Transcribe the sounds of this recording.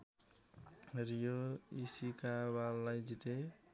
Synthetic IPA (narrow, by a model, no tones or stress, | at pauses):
ɾijoisikabalːajd͡ʒit̪e